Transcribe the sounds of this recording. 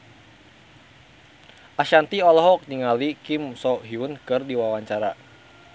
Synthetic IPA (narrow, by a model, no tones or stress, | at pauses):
ʔaʃant̪iɔlɔɦɔk̚niŋalikimsɔɦiunkɨrdiwawaɲt͡ʃaɾa